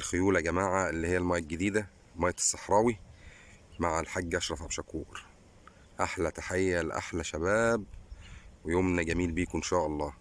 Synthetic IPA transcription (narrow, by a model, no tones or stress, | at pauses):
lxojuːlæɡæmaːʕaʔelːihejːælmæjːæɡed̪iːd̪æ | lmæːjːæsˤːɑħɾˤɑːwi | maʕælħaɡːʔɑʃɾˤɑfʕabʃækuːʔɾ | ʔaħlæt̪aħejːælʔa̰ħlæʃæbæːb̚ | wejoːmnæɡæmiːlbiːkʔenʃæːʔɑlˤːɑː